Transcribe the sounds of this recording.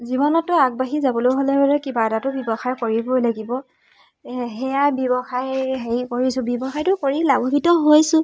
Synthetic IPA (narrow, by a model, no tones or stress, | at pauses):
zibɔnɔtːʊaɡ̚baɦizabɔlojɦolɛbaɹɛkibadatʊbɔbɔxajkoɹibolaɡibɔ | ɦɛjabjɔbɔxajɦejkoɹisʊ̃bɔbɔxajtʊkoɹilaɡɔbitɔɦojsʊ̃